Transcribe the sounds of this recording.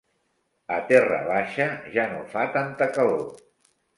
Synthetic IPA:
ət̪ɛrə̰β̞aʃəʒanofat̪ant̪əkəlo

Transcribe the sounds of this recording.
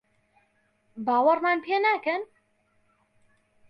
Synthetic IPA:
baːwɐrmaːnpʰeːnaːkɛn

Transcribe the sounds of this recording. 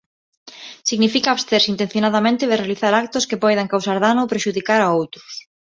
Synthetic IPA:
siɣnifikaːβst̪eɾsint̪ẽn̟θjonaðamẽnt̪ɪðɪrealiθaɾakt̪ʊskepɔjðaŋkawsaɾðanopɾeʃuðikaɾaowt̪ɾʊs

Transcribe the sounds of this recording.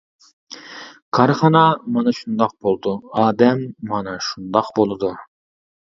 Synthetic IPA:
kʰɑɾχɑnɑmɑnɑʃund̪ɑq̚bolˠd̪uɑːd̪ɛmːɑnɑʃund̪ɑqbolˠɨd̪u

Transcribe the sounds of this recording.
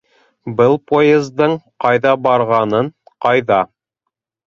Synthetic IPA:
bɤlˠpojezd̪ɤɴqɑjðɑbɑɾʁɑnɤɴqɑjðɑ

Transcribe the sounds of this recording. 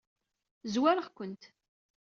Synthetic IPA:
zwæɾəʁkʷənt̪

